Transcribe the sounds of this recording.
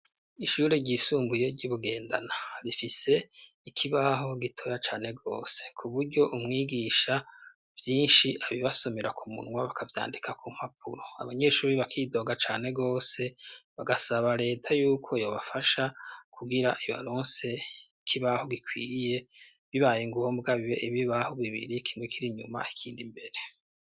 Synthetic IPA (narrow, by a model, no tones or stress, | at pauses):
iʃuːɾeɟisuːmbuje̞ɾɟuβuɡe̞ːnda̰naɾifise̞ikʰiβaɦo̞ɡitʰo̞jat͡ʃaːn̥e̞ɡo̞̰ːse̞̥kʰuβuɾɟo̞ʔumŋiːɡiʃa | vjiːnʃiʔaβiβaso̞meɾakʰumṵnŋwaβakʰavja̰ːndikʰakʰum̥hapʰuɾoa̰βaɲe̞ːʃuːɾiβakʰiːdo̞ɡat͡ʃaːne̞ɡo̞ːse̞βaɡasaβaɾe̞ːtʰajuːkʰo̞jo̞ːβafaʃakʰuɡiɾa̰ʔiβa̰ɾoːnse̞ | kʰiβaho̞ɡikʰwiːje̞ | βiβajeŋɡuhombɡaβiβḛʔiβiβaho̞ɡiβḭɾikʰiːŋɡokʰiɾiɲuma̰ikʰiːndimbe̞ɾe̞